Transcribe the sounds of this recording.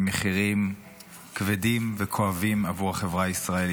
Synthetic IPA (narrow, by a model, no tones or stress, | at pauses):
meχiʁim | kvedimvekʰoavimavuʁhaχevʁaisʁael